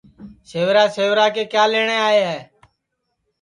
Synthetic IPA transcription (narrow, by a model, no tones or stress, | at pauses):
seːʋɾaːseːʋɾaːkeːkjaːleːɳeːaːeːɦɛː